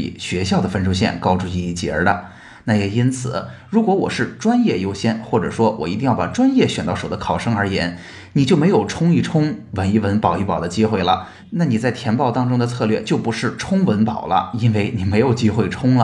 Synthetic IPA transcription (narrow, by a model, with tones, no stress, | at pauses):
ḭ˨˩ɕɥɛ˧˥ɕjɑ˥˩ʊd̪ə˩fə˥nʈ͡ʂʰu˥ɕjɛ̰˥˩nkɑ˥ʊʈ͡ʂu˧i˥˧i˥˩t͡ɕjɛ̰˧˥d̪ə̰˧ | na˥˩jɛ˨˩i˥nt͡sʰɹ̩˨˩˦ɻu˧˥kwɔ˧˥wɔ̰˨˩ʂɻ̩˥˩ʈ͡ʂwa˥njɛ˥˩jo˥ʊɕjɛ˥nxwɔ˥˩ʈ͡ʂɤ̰˨˩ʂwɔ˥wʔɔ˨˩i˧t̪i˥˧jɑ˥˩pa̰˨˩ʈ͡ʂwa˥njɛ˥˩ɕɥɛ˨˩nt̪ɑ˥˩ʊʂo˨˩ʊd̪ə˦kʰɑ˨˩ʊʂɤ˥ŋə˞˧˥jɛ̰˧˥n | ni˨˩t͡ɕjo˥˩ʊme˧˥ɪjo˨˩ʊʈ͡ʂʰʊ˥ŋi˥˩ʈ͡ʂʰʊ˥ŋwə˧˥ni˥˩wə˧˥npɑ˨˩ʊi˥˩pɑ˨˩ʊd̪ə˦t͡ɕi˥xwe˥˩ɪlə̰˩ | na˥˩ni˨˩t͡sa˥˩ɪt̪ʰjɛ˧˥npɑ˥˧ʊt̪ɑ˥ŋʈ͡ʂʊ˥ŋd̪ə˨t͡sʰɤ˥˧lɥɛ˥˧˩t͡ɕjo˥˩ʊpu˧˥ʂɻ̩˥˩ʈ͡ʂʰʊ˥ŋwə˧˥npɑ˨˩ʊlə̰˦i˥nwe˥˩ɪni˨˩me˧˥ɪjo˨˩ʊt͡ɕi˥xwe˥˩ɪʈ͡ʂʰʊ˥ŋlə˧